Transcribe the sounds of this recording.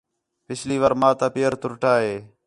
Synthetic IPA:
pɪsʰliːʋaːɾmaːt̪aːpeːəɾt̪ʊɾʈaːɦeː

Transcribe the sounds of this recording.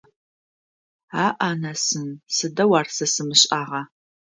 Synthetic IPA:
aːʔaːnɐsɨnsɨdɐwaːrsɐsɨmɨɕʼaːʁɐ

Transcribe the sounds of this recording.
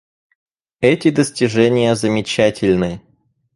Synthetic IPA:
ɛtʲɪd̪əsʲtʲɪʐɛnʲɪjəzəmʲɪt͡ɕætʲɪlʲnɨ

